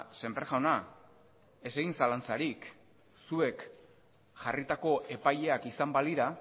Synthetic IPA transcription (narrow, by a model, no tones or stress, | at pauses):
se̞mpɾeʝawna | e̞s̬eɣinsalant͡saɾik | sue̞k | ʝarit̪ako̞ʔe̞paje̞akisambaliɾa